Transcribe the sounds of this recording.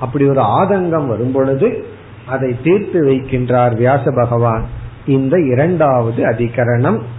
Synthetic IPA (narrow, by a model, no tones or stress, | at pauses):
ʔɐpːɐɽiɔɾɯaːðɐŋɡɐmʋɐɾɯmpɔɭɯðɯ | ʔɐðɐɪt̪ːiːɾt̪ɯʋɐɪkːɪndraːɾʋɪjaːsɐbɐɣɐʋaːnɪnd̪ɐɪɾɐɳɖaːʋɐðɯɐðɪɣɐɾɐɳɐm